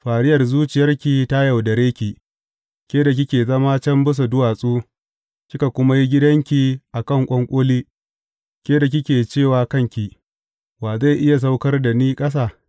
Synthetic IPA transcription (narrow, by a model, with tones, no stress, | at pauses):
ɸaː˨ɾɪ˦jɐ˨rzuː˦t͡ʃɪ˨jɐ˦rkʲi˨ta˦ja˨wdɐ˨ɾeː˦kʲi˨ | kʲeː˦da˨k̬ʲɪ˦kʲeː˨zɐ˦maː˦t͡ʃɐ˦mbɪ˦s̬a˨dʊ˦waː˨sʼuː˦ | kʲɪ˦ka˨kʷʊ˦ma˦ji˦ɡʲɪ˦dɐ˦ŋkʲi˨ʔa˨kɐ˦˨ŋkʷʼɐ˦ŋkʷʼoː˦liː˦ | kʲeː˦da˨k̬ʲɪ˦kʲeː˨t͡ʃeː˦˨waː˨kɐ˦ŋkʲi˨ | waː˨za˦˨ʔɪ˦ja˨s̬a˦wkɐ˦rda˨niː˦kʼɐ˦s̬aː˦˨